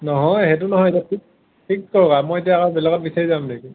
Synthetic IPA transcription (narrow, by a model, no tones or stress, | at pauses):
nɔɦɔjhɛt̬unɔɦɔjetiapʰik̚ | pʰik̚kɔɹkamɔjetijaakɔbɛlɛɡɔt̚bisaɹizamneki